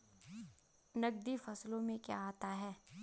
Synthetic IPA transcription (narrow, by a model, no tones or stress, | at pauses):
nɐɡ̚d̪ifɐslõmẽkja̰aːt̪aɦɛː